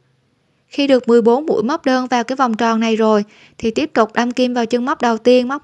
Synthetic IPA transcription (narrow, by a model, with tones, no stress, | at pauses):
xi˧ɗɨ˨˩ək̚mɨ˨˩əjɓo˨˦nmṵ˧˥jma˦˥k͡p̚ɗəː˧nvaː˨˩wkaː˨˦jvɔ˨˩wŋ͡mt͡ɕɔ˨˩na˨˩jzo˨˩j | t̪ʰi˨˩t̪i˦˥əp̚t̪ʊ˨˩k͡p̚ɗa˧mki˧mvaː˨˩wt͡ɕɨ˧ŋma˦˥k͡p̚ɗə˨˩wt̪i˧ənma˦˥k͡p̚